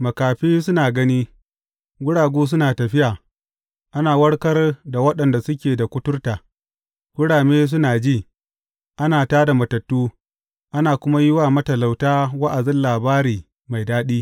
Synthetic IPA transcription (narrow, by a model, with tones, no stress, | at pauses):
mɐ˨kaː˨ɸiː˦sʊ˦naː˨ɡɐ˦niː˦ | ɡʷʊ˦ɽaː˨ɡʷuː˦s̬ʊ˦naː˨tɐ˨ɸɪ˦jaː˨ | ʔa˦naː˨wɐ˦ɽkɐ˦rda˨wɐ˦ɗɐ˨nda˨sʊ˦k̬ʲeː˨da˨kʷʊ˦tʊ˦rta˨ | ɡʷʊ˦ɽaː˨meː˦s̬ʊ˦naː˨d͡ʒiː˦˨ | ʔa˦naː˨taː˦da˨mɐ˨tɐ˨tːuː˦ | ʔa˦naː˨kʷʊ˦ma˦jɪ˦waː˨mɐ˦tɐ˨la˨wtaː˦wɐ˦ʔa˨zɪ˦nlaː˨baː˦ɾiː˨ | ma˨jdaː˦ɗiː˦